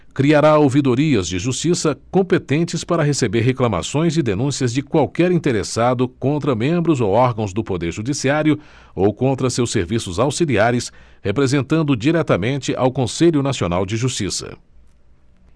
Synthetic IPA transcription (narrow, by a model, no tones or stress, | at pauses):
kɾiaɾaowvid̪oɾiɐzd͡ʒɪʒust͡ʃisɐkõpet̪ẽnt͡ʃɪspaɾɐɦesebeɾɦeklɐma̰sõj̃zɪd̪enũsiɐzd͡ʒɪkwawkɛɾĩnt̪eɾesad̪ʊkõnt̪ɾɐmẽmbɾʊzowɔɾɡɐ̃w̃zd̪ʊpod̪eɾʒud͡ʒisiaɾjʊ | owkõnt̪ɾɐsewseɾvisʊzawsiliaɾɪshepɾezẽnt̪ɐ̃nd̪ʊd͡ʒiɾɛt̪ɐmẽnt͡ʃɪʔawkõseʎʊnasionawd͡ʒɪʒust͡ʃisɐ̰